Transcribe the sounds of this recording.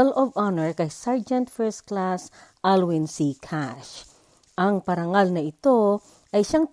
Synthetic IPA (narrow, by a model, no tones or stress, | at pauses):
ɛlʔɔvanɛɹkɐjsaɹd͡ʒɛnt̪fɛɹst̪klas | ʔalwɪnsikʰaʃ | ʔɐŋpɐɾɐŋalnɐɪt̪o | ʔɐjʃaŋ